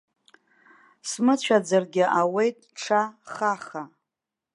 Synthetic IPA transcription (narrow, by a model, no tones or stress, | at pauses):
smɨt͡ɕʷʰad͡zarɡʲɪʔawe̞jtʼʈ͡ʂʰaχaχa